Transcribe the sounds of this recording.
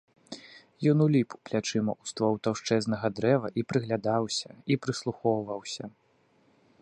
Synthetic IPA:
jɔnulʲipuplʲat͡ʂɨmɐ̰ʔust̪vɔwt̪awʂt͡ʂɛznɐɣɐd̪ɾɛvɐʔipɾɨɣlʲad̪awsʲɐipɾɨslˠuxɔwvɐwsʲɐ

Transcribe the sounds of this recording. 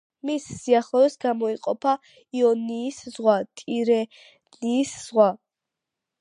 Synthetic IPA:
misːiaχlɔvɛsɡamɔiqʼɔpʰa | iɔniːszʁwat̪ʼiɾɛ | niːsz̥ʁwa

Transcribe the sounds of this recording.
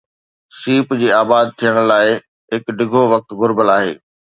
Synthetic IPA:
siːpd͡ʑiːaːbaːd̪̚t̪ʰijəɽ̃laːɪ | ɦɪkɖɪɡʱoʋɐk̚t̪ɡʊɾbəlaːɦḛː

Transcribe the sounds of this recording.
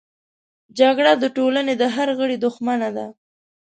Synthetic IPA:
d͡ʒaɡɽad̪əʈolaned̪əɦaɾɣəɽid̪ʊxmanad̪a

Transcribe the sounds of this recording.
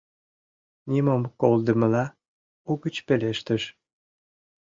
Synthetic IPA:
nʲimomkold̪ə̆mə̆lɑ | uɡət͡ɕpeleʃt̪əʃ

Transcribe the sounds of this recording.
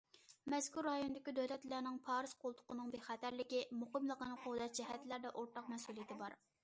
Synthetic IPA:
mɛskʲuɾːɑjonɨd̪ɪkʲid̪øwlɛt̪læɾnɪŋpʰɑːɾɨzqʰolˠt̪ʰʊ̥qʊnɨŋbeχæt̪æɾlɪkʲimoqəmlˠəqənɨqʰod̪ɑt̪̚d͡ʒɛɦɛt̪læɾd̪ɛʔoɾt̪ɑqmɛsulˠijɪt̪ʰɪbɑɾ

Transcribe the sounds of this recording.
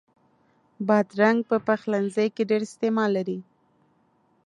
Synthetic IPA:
bɑd̪ɾaŋɡ̚pəpaxlanzəjkeɖeɾɪst̪emɑlːaɾi

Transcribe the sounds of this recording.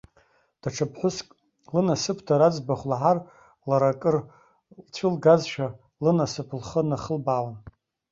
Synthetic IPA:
d̥aʈ͡ʂʰapʰħʷʊskʼ | lɨnasɨpʰdʰaɾad͡zbaχʷlaʕar | laɾakʼɨr | lt͡ɕʷʰɪlɡazʃᶣa | lɨnasɨpʰlχənaχəlbaːlan

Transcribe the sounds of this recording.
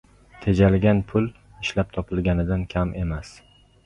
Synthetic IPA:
t̪ʰed͡ʒalɡʲanpʰʊl | ɪʃlap̚t̪ʰɒpʰɪlˠɡʲanɪd̪ankʲʰamʔe̞mas

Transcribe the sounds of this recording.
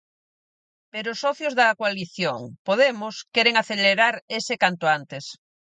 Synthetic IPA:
peɾʊːsɔθjozðɐkwaliθjoŋpoðemʊskɛɾeŋaθeleɾaɾesekant̪ʊant̪es

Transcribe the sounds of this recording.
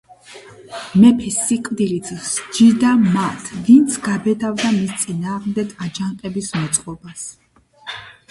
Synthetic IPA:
mɛpʰɛsːikʼvd̪ilit̪ʰsd͡ʒid̪amat̪ʰvint̪sʰɡabɛd̪avd̪amist̪sʼinaːʁmd̪ɛɡad͡ʒanqʼɛbismɔt̪sʼqʼɔbas

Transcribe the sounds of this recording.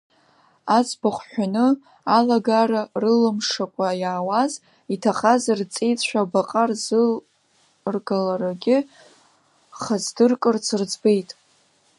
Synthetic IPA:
at͡sʰʼbaχʷħʷᶣanɨ | alaɡaɾarɨlɨmʂakʷʼajaːwaz | itʰaχazart͡sʼejt͡ɕʷᶣabaqʼarz | rɡalaɾaɡʲɪ | χazdɨrkʼɨrt͡sʰɨrd͡zbejtʼ

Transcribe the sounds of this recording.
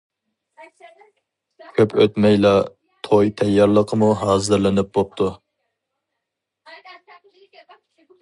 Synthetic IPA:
kʲʰøpʰøt̪mɛjlɑ | t̪ʰojt̪ʰɛjːɑɾlˠəqʰəmuɦɑːzɨɾlɪnɪp̚bop̚t̪ʰu

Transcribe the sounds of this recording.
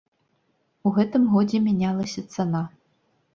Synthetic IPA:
uɣɛt̪ɨmɣɔd͡zʲemʲinʲalˠɐsʲɐt̪sɐnɑ

